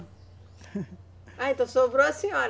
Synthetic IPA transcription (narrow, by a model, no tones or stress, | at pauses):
aẽt̪ɐ̃w̃sobɾoɐsĩɔɾ